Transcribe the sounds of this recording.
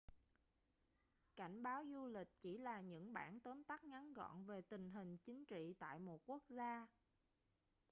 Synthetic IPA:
ka˧˩jŋ̟ɓaː˨˦wzu˧lï˨˩k̚t͡ɕi˧˩laː˨˩ɲɨ̰˧˥ŋɓaː˧˩nt̪əː˨˦mt̪a˦˥k̚ŋa˨˦nɣɔ̰˧˨nve˨˩t̪ï˨˩ŋ̟ɦï˨˩ŋ̟t͡ɕï˨˦ŋ̟t͡ɕḭ˧˨t̪a̰ː˧˨jmo˨˩t̚ku˦˥ək̚zaː˧

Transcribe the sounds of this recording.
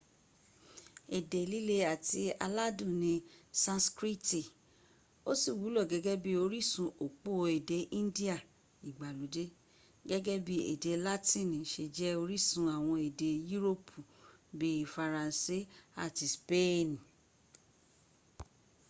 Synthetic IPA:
e˨de˨li˦le˧a˨ti˧a˧la˦dũ˦˨nĩ˧sã˦skɾi˦ti˨ | o˦si˦˨wu˨˦lɔ˦˨ɡɛ˨˦ɡɛ˦bi˦o˧ɾi˦sũ˧o˨k͡po˦˧e˨de˨˧˦ʔĩ˦n˦di˦a˦˨ | i˨ɡ͡ba˨lu˨˦de˦ | ɡɛ˦ɡɛ˦bi˦ḛ˨de˧la˦tĩ˦˨nĩ˨ʃe˧d͡ʒɛ˦o˧ɾi˦sũ˧a˨w̃ɔ̃˧e˨de˧ju˦ɾo˦pʰu˨bi˦˨fa˧ɾã˨n˨si˦a˦˨ti˧spe˦˨n˨

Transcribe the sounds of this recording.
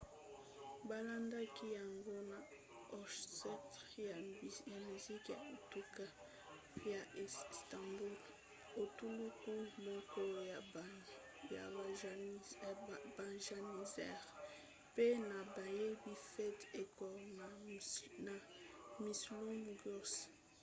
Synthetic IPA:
ba˦la˦nda˦ki˦ja˨ŋɡo˦na˨ | ɔ˨sɛ˦t | ja˨mi˨zi˦kja̰˨e˨tu˦ka˦ | ja˨stɑ̃˨bu˦l | o˨tu˦lu˦ku˦mɔ˦kɔ˦ja˨ | ja˨ | ba˨ʒa˨ni˨zɛ̰˦ʁ | pe˦na˨ba˨je˦bi˨fɛ˦te˨kɔ˨na˨na˨mi˨slu˦mɡu˦s

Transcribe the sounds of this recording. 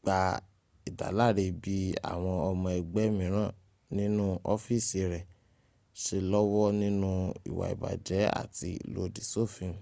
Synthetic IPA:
k͡pa˧ | i˨da̰˨la˦˨ɾe˧bi˦a̰˨w̃ɔ̃˧ɔ˧mɔ̃˧ɛ˧ɡ͡bɛ˨˦mĩ˨˦ɾ̃ã˦˨ | nĩ˦nũ˦ɔ˦fi˦˨si˧ɾɛ˨ | ʃe˧lɔ˦wɔ˦nĩ˦nũ˦ḭ˨wa̰˨ḭ˨ba̰˨d͡ʒɛ˨˦a̰˦˨ti˧lo̰˧di˨so˦˨fĩ˨˧˨

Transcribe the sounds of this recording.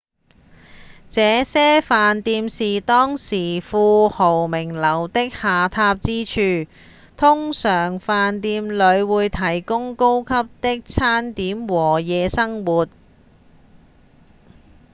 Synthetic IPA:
t͡sɛː˨˧sɛː˥faː˨nt̪iː˧msiː˨˩t̪ɔː˥ŋsiː˨˩fuː˧ho˨˩wmɪ˨˩ŋlɐ˨˩wt̪ɪ˥k̚haː˨˧t̪ʰaː˧p̚t͡siː˥t͡ʃʰyː˨ | t̪ʰʊ˥ŋsœː˨˩ŋfaː˨nt̪iː˧mlɵ˨˧ɥwuː˨˧jt̪ʰɐ˨˩jkʊ˥ŋko˥wkʰɐ˥p̚t̪ɪ˥k̚t͡sʰaː˥nt̪iː˨˥mwɔː˨˩jɛː˨˧sɐ˥ŋwuː˨t̚

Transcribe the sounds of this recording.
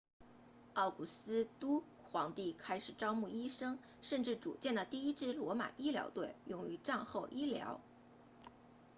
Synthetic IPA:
ɑ˥˩ʊku˨˩sɹ̩˥t̪u˥ | xwɑ˧˥ŋt̪i˥˩kʰa˥ɪʂɻ̩˨˩ʈ͡ʂɑ˥ʊmu˥˩i˥ʂɤ˥ŋ | ʂə˥˧nʈ͡ʂɻ̩˥˩ʈ͡ʂṵ˨˩t͡ɕjɛ˥˩nd̪ə˩t̪i˥˩i˥ʈ͡ʂɻ̩˥˩lwɔ˧˥ma̰˨˩ʔi˥ljɑ̰˧˥ʊt̪we˥˩ɪjʊ˥˩ŋy˧˥ʈ͡ʂa˥˧nxo˥˩ʊʔi˥ljɑ̰˧˥ʊ

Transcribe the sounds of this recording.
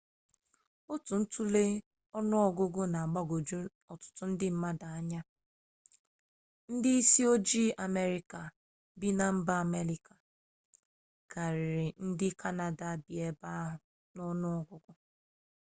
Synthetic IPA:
o˦tu˨n̩˦tu˦le˦ | ɔ˦nʊ˦ɔ˦ɡʊ˦ɡʊ˦na˨a˨ɡ͡ba˦ɡo˨d͡ʒu˦ | ɔ˨tʊ̥˨tʊ˦n̩˦dɪ˦m̩˦ma˦da˨a˦ɲa˦ | n̩˦dɪ˦i˦si˦o˦d͡ʒi˦ʔa˨me˦ɾi˨ka˨ | bi˦na˨m̩˦ba˦a˨me˦ɾi˨ka˨ | ka˨ɾɪ˨ɾɪ˨n̩˦dɪ˦kʰa˦na˨da˨bɪ˨e˦ba˦ɦʊ˨ | nɔ˦nʊ˦ɔ˨ɡʊ˦ɡʊ˦

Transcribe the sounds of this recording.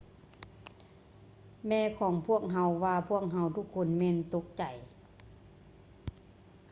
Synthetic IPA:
mɛː˧˩kʰɔː˩˦ŋpʰu˥˩ək̚ɦa˧˥wʋaː˧pʰu˥˩ək̚ɦa˧˥wt̪ʰu˧˥kʰːo˧˥˨nmɛː˧˨nt̪o˧˦˥k̚t͡ɕa˨˩j

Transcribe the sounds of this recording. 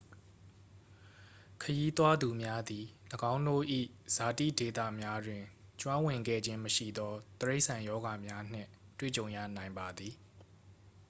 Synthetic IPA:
kʰəji˦t̪wa˦d̪u˨mja˦d̪i˨ləɡã˦ʊ̃ndo̰˦˨ʔḭ˦˨z̥a˨tḭ˦˨de˨t̪ä̰˦˨mja˦dwɪ̃˨t͡ɕwã˦wɪ̃˨ŋɡɛ̰˦˨d͡ʑɪ̃˦məʃḭ˦˨d̪ɔ˦t̪əɹe˦ɪʔsʰã˨jɔ˦ɡa˨mja˦n̥ɪ̰̃˦˨twḛ˦˨t͡ɕõ˨ʊ̃jä̰˦˨nã˨ɪ̃mba˨d̪ði˨

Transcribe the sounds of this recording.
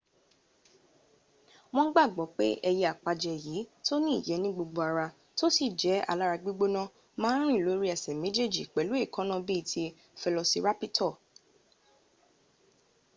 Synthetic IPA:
w̃ɔ̃˦ɡ͡ba˦˨ɡ͡bɔ˨˦k͡pe˦ʔɛ˧jɛ˧a˨k͡pa˧d͡ʒɛ˧˨jiː˨˦to˦nĩ˦ḭ˦˨jɛ˨˦nĩ˦ɡ͡bo˧ɡ͡bo˧a˨ɾa˧ | to˦si˦˨d͡ʒɛ˨˦a̰˧˨la˦ɾa˧ɡ͡bi˦ɡ͡bo˦nã˦ | mãː˦ɾ̃ĩ˦˨lo˨˦ɾi˦ɛ˨sɛ˨mẽ˨˦d͡ʒe˦˨d͡ʒi˨k͡pɛ˨lu˨˦e˦˨kã˦nã˦bi˦˨tʰi˧ | fɛ˧lɔ˧si˧ɾa˦pi˦tʰɔ˦˨

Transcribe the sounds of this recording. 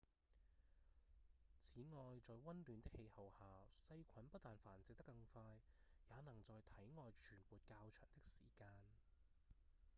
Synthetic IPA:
t͡sʰiː˨˥ŋɔː˨jt͡sɔː˨˧jwɐ˥nlyː˨˧nt̪ɪ˥k̚he˧jhɐ˨whaː˨sɐ˧jkʷʰɐ˨˥npɐ˥t̚t̪aː˨nfaː˨˩nt͡sɪ˨k̚t̪ɐ˥kːɐ˧ŋfaː˧jːaː˨˧nɐ˨˩ŋt͡sɔː˨jt̪ʰɐ˨˥jŋɔː˨jt͡ʃʰyː˨˩nwuː˨˩t̚kaː˧wt͡ʃʰœː˨˩ŋt̪ɪ˥k̚siː˨˩kaː˧n

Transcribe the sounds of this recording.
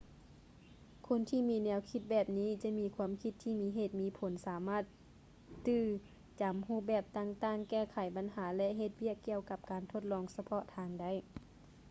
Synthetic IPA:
kʰo˧˥˨nt̪ʰiː˧˨miː˧˥nɛː˧˥wkʰi˧˥t̪̚bɛː˨˧˩p̚niː˧˥˨t͡ɕa˧miː˧kʰuː˧˥ə˨mkʰi˧˥t̪ʰːiː˧˩miː˧˥ɦeː˧˩t̪̚miː˧pʰo˨˦nsaː˨˦maː˧˥˩t̪̚ː | ɯː˧˩ | t͡ɕa˨˦mhuː˧˩bɛː˧˩p̚t̪aː˧˨ŋt̪aː˧˩ŋkɛː˧˩kʰa˨˩˦jba˨˦nɦaː˩˦lɛ˧ʔɦe˧˩t̪̚wi˧˥˩əkːi˧˨əwka˧p̚kaː˨nt̪ʰo˧˩t̪̚lɔː˧˥ŋsa˧pʰɔ˧ʔt̪ʰaː˧˦ŋda˧˩˨j

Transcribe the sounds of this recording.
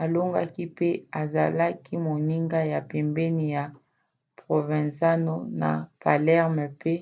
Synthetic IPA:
a˨lo˦ŋɡa̰˦ki˦pe˦a˨za̰˨la˦ki˦mo˨ni˦ŋɡa˦ja˨pɛ˨mbɛ˦ni˨ja˨ | pʁo˨vɛ̃˨za˦no˦na̰˨pa˨lɛ˦ʁmɛ˨pe˦

